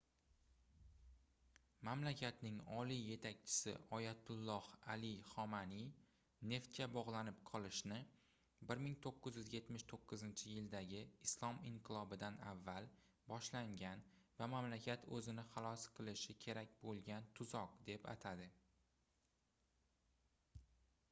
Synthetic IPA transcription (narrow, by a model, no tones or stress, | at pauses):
mamlakʲʰat̪nɪŋɒlije̞t̪ʰak̚ʲt͡ʃʰɪ̥sɪ̰ʔɒjat̪ʰʊlˠːɒhalɪχɒmani | ne̞ft̪̚kʲabɒʁlˠanɪpqʰɒlˠɪʃnɪ | bɪɾmɪŋt̪ʰoqːɨzjyzje̞t̪mɪʃt̪ʰoqːɨzɪnt͡ʃʰɪjɪld̪aɡʲɪːslˠɒmɪɴqʰɨlˠɒbɪd̪anavːal | bɒʃlaŋɡʲanvamamlakʲʰat̪ʰɵzɪnɪχalˠɒsqʰɨlˠɪʃɪkʲʰe̞ɾakʲbolˠɡʲant̪ʰʊzɒq̚d̪e̞pa̰t̪ʰad̪ɪ